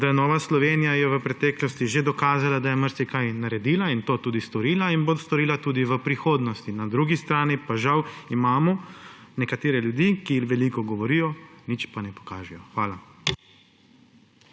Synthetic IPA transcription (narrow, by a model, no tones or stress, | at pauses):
d̪ajɛnɔːʋaslɔʋeːnijajɛʋəpɾɛt̪ɛːklɔst̪iʒed̪ɔkaːzalad̪ajɛməɾt̪ikajnaɾɛd̪iːlaint̪oːt̪uːd̪ist̪ɔɾiːlainbost̪ɔɾiːlat̪uːd̪iʋəpɾixoːd̪nɔst̪inad̪ɾuːɡist̪ɾaːnipaʒawimaːmɔnɛkat̪eːɾɛljud̪iːkiixʋɛlikɔɡɔʋɔɾiːjɔnit͡ʃpanɛpɔ̥kaːʒɛjɔxʋaːla